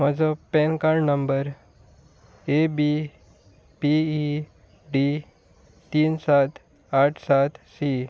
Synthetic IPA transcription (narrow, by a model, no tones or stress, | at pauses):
mad͡zopɛ̃nkaɾnəmbəɾ | ebi | pii | ɖi | t̪iːnsat̪ | aʈʰsat̪si